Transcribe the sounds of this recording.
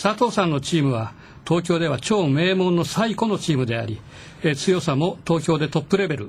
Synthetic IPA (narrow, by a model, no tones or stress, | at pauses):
sat̪o̞ːsãnːo̞t͡ɕiːmɯ̟βa | t̪o̞ːkʲo̞ːd̪e̞βat͡ɕo̞ːme̞ːmõ̞nːo̞saiko̞no̞t͡ɕiːmɯ̟d̪e̞a̰ɾʲi | t͡sɨjo̞samo̞t̪o̞ːk̬ʲo̞ːd̪e̞t̪o̞pːɯ̟ɾe̞be̞ɾɯ̟